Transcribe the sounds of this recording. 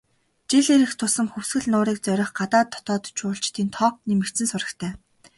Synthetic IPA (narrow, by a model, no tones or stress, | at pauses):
t͡ɕiɮeɾɘ̆xt̪ʰʊsə̆mxɵwsɡɘ̆ɮnʊːɾiːk̚t͡sœɾʲɪ̆χɢat̪aːt̪ʰːɔ̥t̪ɔːt̪t͡ɕʊːɬt͡ɕt̪ʰiːnt̪ʰɔːk̚nimɘkt͡sɘ̆nsʊɾə̆t̪ʰæː